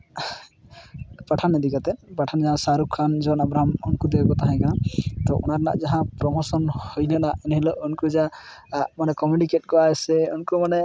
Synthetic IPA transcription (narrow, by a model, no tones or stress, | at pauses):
paʈʰanɛd̪ikat̪ɛpaʈʰand͡ʒaɦãsaɾukʰːand͡ʒɔnabɾaɦamunkud̪ɛɛkɔt̪aɦãj̃kanat̪ɔʔṵnaɾna̰ʔd͡ʒaɦãpɾɔmɔsɔnhujnanaʔɛnɦilɔʔunkud͡ʒa | manɛkɔmjunikeʈ̚kɔaɛsɛṵnkumanɛ